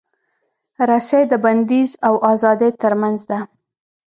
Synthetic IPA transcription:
ɾasejd̪əband̪izawʔɑzɑd̪et̪əɾmanzd̪a

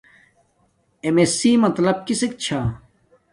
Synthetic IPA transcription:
emesiːmɐt̪lɐb̚kisek̚t͡ɕʰa

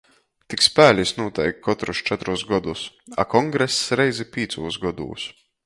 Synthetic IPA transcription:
t̪ikspæːlʲisnuɔt̪ɛjkkːɔt̪ɾust͡ʃɛt̪ɾusɡɔd̪us | a̰kɔŋɡɾɛsːɾɛjzʲipʲiːt̪suːsɡɔd̪ṵːs

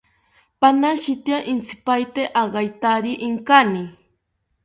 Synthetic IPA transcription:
panaʃit̪jaʔɪnt͡si̥pajt̪eʔaɢɑjt̪aɾiʔɪŋkani

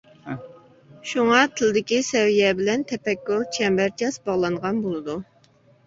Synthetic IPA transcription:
ʃuŋɑt̪ʰɪld̪ɪkʲisɛwijɛbɪlɛnt̪ʰɛpɛkʲːulˠt͡ʃʰɛmbæɾt͡ʃʰɑsbɑʁlˠɑŋʁɑnbolˠɨd̪u

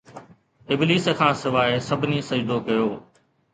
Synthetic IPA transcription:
ɪbliːskʰãːsɪʋaːesɐbʱɪniːsɐd͡ʒd̪okɐjoː

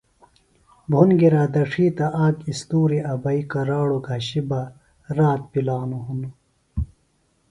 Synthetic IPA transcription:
bʱunɡiɾaːd̪ɐʂʰiːt̪ɐʔaːkist̪uːɾiɐbɐikɐɾaːɽoɡʱɐɕiba | ɾaːt̪̚pilaːnuɦunu

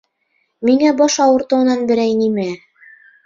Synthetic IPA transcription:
miŋæbɑʃɑwɤ̆ɾt̪ɤ̆wɤ̆nɑnbɘ̆ɾæjnimæ

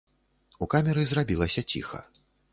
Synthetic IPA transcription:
ukamʲɛɾɨzrabʲilˠɐsʲɐt͡sʲḭxɐ̰

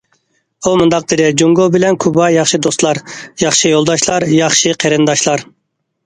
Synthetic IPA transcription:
umund̪ɑq̚d̪ɨɾɛd͡ʒuŋɡobɪlɛnkʰubɑjɑχʃɨd̪ost̪lˠɑɾjɑχʃɨjolˠd̪ɑʃlˠɑɾjɑχʃɨqʰeɾɨnd̪ɑʃlˠɑɾ

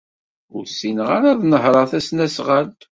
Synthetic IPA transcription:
ʊɾsːinʁaɾaðˤnəɦɾˤɑθæsnæsʁælt̪

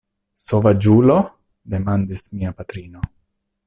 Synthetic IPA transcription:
sovad͡ʒulo̞ | de̞mandismiapat̪ɾino̞

